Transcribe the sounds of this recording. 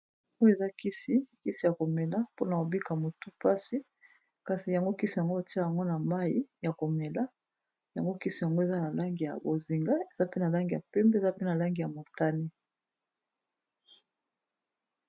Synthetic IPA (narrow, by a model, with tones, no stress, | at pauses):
o˦je˨za˦ki˦si˦ki˦si˨ja˨ko˨me˨la˦po˦na˨ko˨bi˦ka˨mo˨tu˦pa˦si˦ | ka˨si˨ja˨ŋɡo˦ki˦si˨ja˨ŋɡo˦o˨ti˦a˦ja˨ŋɡo˦na˨ma˦ji˦ja˨ko˨me˨la˦ | ja̰˨ŋɡo˦ki˦si˨ja˨ŋɡo˦e˨za˦na˨la˦ŋɡi˨ja̰˨bo˨zi˨ŋɡa˦e˨za˦pe˦na˨la˦ŋɡi˨ja̰˨pɛ˦mbe˦˨za˦pe˦na˨la˦ŋɡi˨ja˨mo˨ta˦ni˦